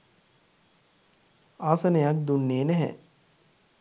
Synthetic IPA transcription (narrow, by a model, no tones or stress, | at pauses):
aːsɐnejak̚d̪unːeːnæɦɛ̰